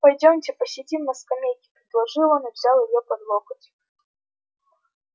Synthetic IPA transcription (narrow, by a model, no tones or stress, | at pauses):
pɐjdʲomtʲɪpəsʲɪdʲimnɐskɐmʲejkʲɪ̥pɾʲɪd̪lˠɐʐɨlˠənɐvzʲalˠjɪjopɐd̪lˠokətʲ